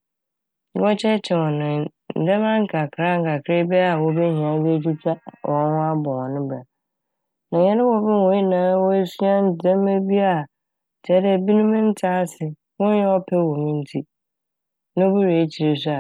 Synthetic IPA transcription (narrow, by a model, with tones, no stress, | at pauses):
ɔ˦t͡ɕʰɛ˦t͡ɕʰɛ˨wɔ̃˨nʊ̃˨ | n̩˨dɛ˦mã˦ŋ̩˦kʰa˨kʰɾa˦ŋ̩˨kʰa˨kʰɾɪ˦bɛ˦a˨wɔ˦be˦ɦĩ˨ã˨˦be˦tu˦tʰa˦wʔɔ̃˨n˦hʊ̃˦a˦bɔ̃˨ɔ̃˨nʊ̃˦ba˨ | nã˨ɲɛ̃˦nɪ̃˦wɔ˦bɪ˦wɔ̃˨˦i˦nãː˨˦wɔ˦e˦si˦a˦n̩˦˨dɛ̃˦m˦e˦bi˦a˨ | tʰɛ˨˦ɾɛ˦˨bi˦nʊ̃˦mɪ̃˦n̩˦tʰaː˦sɪ˨ | wɔ̃˦jɛ˦ɔ˦pʰɛ˦˨wɔ̃˨mĩ˦n̩˦tʰi˦ | nã˦o˦bi˦ɾe˨˦t͡ɕʰi˨ɾe˨sʊ˦a˨